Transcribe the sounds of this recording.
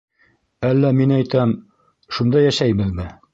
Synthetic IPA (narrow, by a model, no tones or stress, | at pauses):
ælːæminæjt̪æm | ʃund̪ɑjæʃæjbɘðmɘ